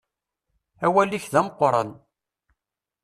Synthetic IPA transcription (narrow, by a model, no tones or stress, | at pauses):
æwælːiçðæməqːɾˤə̰n